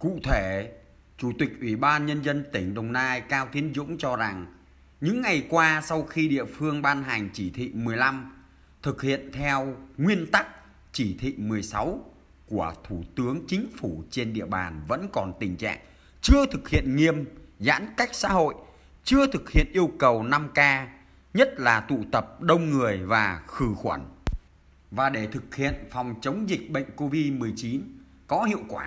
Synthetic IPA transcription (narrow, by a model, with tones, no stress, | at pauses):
kṵ˧˨t̪ʰe˧˩ | t͡ɕu˧˩t̪ï˨˩k̟̚ʔwi˧˩ɓaː˧nɲə˧nzə˧nt̪ï˧˩ŋ̟ɗə˨˩wŋ͡mnaː˧jkaː˧wt̪ʰi˨˦ənzʊ̰˧˥ŋ͡mt͡ɕɔ˧za˨˩ŋ | ɲɨ̰˧˥ŋːa˨˩jkwaː˧sa˧wxi˧ɗḭ˧˨əfɨ˧əŋɓaː˧nɦa˨˩ŋ̟t͡ɕi˧˩t̪ʰḭ˧˨mɨ˨˩əjla˧m | t̪ʰɨ˨˩k̚hḭ˧˨ənt̪ʰɛ˧wŋwi˧ənt̪a˦˥k̚ | t͡ɕi˧˩t̪ʰḭ˧˨mɨ˨˩əjsa˨˦w | ku˧˩ət̪ʰu˧˩t̪ɨ˨˦əŋt͡ɕï˨˦ŋ̟fu˧˩t͡ɕe˧nɗḭ˧˨əɓa̰ː˨˩nvə̰˧˥nkɔ˨˩nt̪ï˨˩ŋ̟t͡ɕa̰ː˧˨ŋ | t͡ɕɨ˧ət̪ʰɨ˨˩k̚hḭ˧˨ənŋi˧əmza̰ː˧˥nka˦˥jk̟̚sa̰ː˧˥ɦo̰˧˨j | t͡ɕɨ˧ət̪ʰɨ˨˩k̚hḭ˧˨ənʔi˧əwkə˨˩wna˧mkaː˧ | ɲə˦˥t̚laː˨˩t̪ṵ˧˨t̪ə˨˩p̚ɗə˧wŋ͡mŋɨ˨˩əjvaː˨˩xɨ˧˩xwə˧˩n | vaː˨˩ɗe˧˩t̪ʰɨ˨˩k̚hḭ˧˨ənfɔ˨˩wŋ͡mt͡ɕə˨˦wŋ͡mzï˨˩k̚ɓə̰˧˨jŋ̟ko˧vi˧mɨ˨˩əjt͡ɕi˨˦n | kɔ˨˦hḭ˧˨əwkwaː˧˩